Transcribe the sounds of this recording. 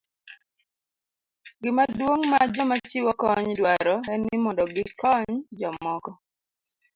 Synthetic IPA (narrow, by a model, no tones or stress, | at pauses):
ɡɪmadwoŋmad͡ʒɔmat͡ʃiwɔkɔɲdwaɾɔɛnɪmɔndɔɡɪkɔɲd͡ʒɔmɔkɔ